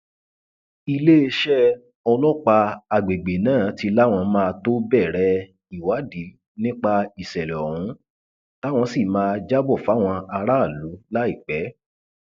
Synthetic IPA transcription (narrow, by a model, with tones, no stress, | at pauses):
i˧le˦e˧ʃɛ˦ | ɔ˧lɔ˦k͡pa˧a˨ɡ͡be˨ɡ͡be˨nãː˦˨ti˧la˦w̃ɔ̃˧mãː˦˧to˦bɛ˦˨ɾɛ˧˦ | i˨wa˨˦di˨˦ | nĩ˦k͡pa˧i˨sɛ˨lɛ˨ɔ˨ɾ̃ũ˨˦ | ta˦w̃ɔ̃˧si˦˨mãː˧d͡ʒa˦bɔ˦˨fa˨˦w̃ɔ̃˧a˧ɾa˦˨lu˨˦la˦i˦˨k͡pɛ˨˦